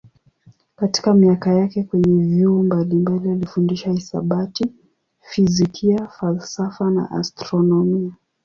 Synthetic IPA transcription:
kati̥kamiakajakɛkwɛɲɛvjumbalimbalialifundiʃaisa̰ɓati | fizikʰiafalsafana̰ʔa̰stɾɔnɔmia

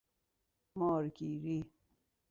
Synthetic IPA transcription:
mɔːɾkiɾi

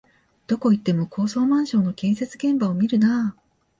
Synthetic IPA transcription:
d̪̥o̞ko̞it̪ːe̞mo̞kʰo̞ːso̞ːmãɰ̃ɕõ̞nːo̞kʲẽ̞ɰ̃se̞t͡sɨɡẽ̞mbaomʲiɾɯ̟na

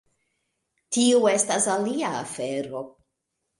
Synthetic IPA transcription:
tiue̞stasalia̰ːfe̞ɾo̞

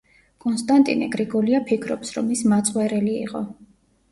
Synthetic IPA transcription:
kʼɔnst̪ʼant̪ʼḭnɛ̰ɡɾiɡɔliapʰikʰɾɔ̰psɾɔ̰mismat̪sʼwɛɾɛlḭːqʼɔ

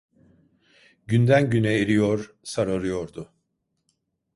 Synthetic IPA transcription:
ɟynd̪ænɟynɛeɾijoɾ | saɾaɾɯjoɾd̪ʊ

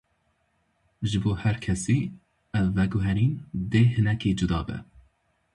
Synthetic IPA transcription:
ʒɨboːhɛɾkʰɛsiː | ɛvːɛɡʊɦɛɾiːnd̪eːhɨnɛkiːd͡ʒud̪ɑːbɛ̰

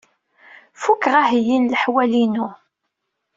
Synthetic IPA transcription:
fukːʁaɦijinləħwælinu

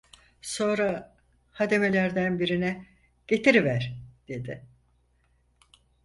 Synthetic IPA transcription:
so̞nɾa | had̪e̞me̞lʲæɾd̪ænbiɾinɛ | ɟ̥e̞t̪ʰiɾivæɾ̥d̪̥e̞d̪ɪ

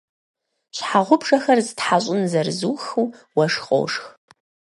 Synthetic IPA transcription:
ʃħaʁʷʊbʐɐxɐrzɨtħaɕʼʊnzɐrzuːxuːwɐʂqʼo̰wʂx

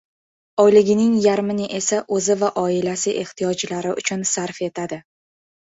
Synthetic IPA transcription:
ɒjlɪɡʲɪnɪŋjaɾmɪnɪʔe̞saʔɵzɪvaʔɒɪlasɪʔe̞ht̪ʰijɒd͡ʒlaɾɪʔʊ̰t͡ʃʰʊnsaɾfe̞t̪ʰad̪ɪ

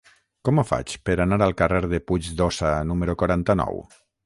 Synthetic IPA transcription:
kɔməfa̰t͡ʃpəɾanaɾalˠkareɾðepud͡ʒd̪ɔsanuməɾukwaɾant̪ənɔ̰w

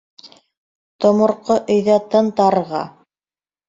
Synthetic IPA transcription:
t̪ŏmŏɾqoʔɵ̆jðæt̪ɤnt̪ɑɾʁɑ̰

